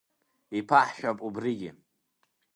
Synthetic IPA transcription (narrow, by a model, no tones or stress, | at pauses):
ipʰaħʃᶣapʼubriɡʲɪ̰